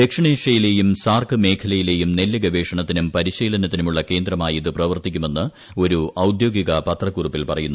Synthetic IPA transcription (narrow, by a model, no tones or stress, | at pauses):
d̪ekʂɐɳeːʂɐjile̞ːjumsaːrkɨme̞ːkʰɐlɐjile̞ːjumnelːiɡɐʋe̞ːʂɐɳɐt̪ːinumpɐɾiɕeːlɐnɐt̪ːinumuɭːɐke̞ːnd̪rɐmaːjiðɨprɐʋɐrt̪ikʲːume̞nːɨ | o̞ɾuʔɐwd̪jo̞ːɡiɣɐpɐt̪rɐkːurupːilpɐrɐjunːu